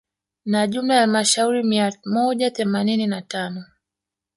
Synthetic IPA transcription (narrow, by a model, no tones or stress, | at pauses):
naʄumaalmaʃauɾimiamɔʄaθɛmanininatanɔ